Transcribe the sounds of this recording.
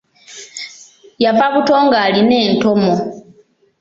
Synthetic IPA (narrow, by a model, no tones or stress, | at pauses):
javaβuto̞ːŋɡaːline̞ːnto̞mo